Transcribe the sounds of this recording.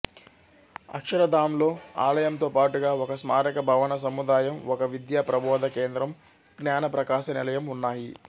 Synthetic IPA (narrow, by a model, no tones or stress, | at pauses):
ɐ̰kʂɐɾɐd̪ʱaːmlo̞ːa̰ːlɐjɐmt̪oːpaːʈuɡaːɔkɐsmaːɾɐkɐbʱɐʋɐnɐs̬ɐmud̪aːjɐmɔkɐʋid̪jaːpɾɐbʱɔːd̪ɐke̞ːnd̪ɾɐm | ɡnaːnɐpɾɐkaːʃɐnilɐjɐmunːaːji